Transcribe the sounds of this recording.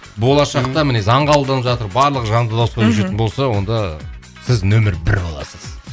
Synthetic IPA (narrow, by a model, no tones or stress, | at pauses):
bo̞lˠɑʃɑqt̪ɑmɪne̞zɑɴɑbəlˠd̪ɑnəpʒɑt̪əɾbɑɾlˠəʁəʒɑnd̪ɑd̪ɑwspɑʏʃe̞t̪ɪnbo̞lˠsɑwo̞nd̪ɑ | sɪznɵmɪɾbɪɾbolˠɑ̰səz̥